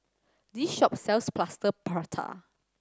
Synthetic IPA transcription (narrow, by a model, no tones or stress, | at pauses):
diʃɔp̚sɛlsplastəpʰatʰa̰